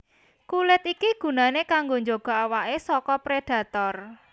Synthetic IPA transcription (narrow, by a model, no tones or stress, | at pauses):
kulɪt̪ikiɡ̥ṳnanekaŋɡoɲd͡ʒoɡ̥ɔ̤awaʔesɔkɔpɾed̥ä̤t̪ɔr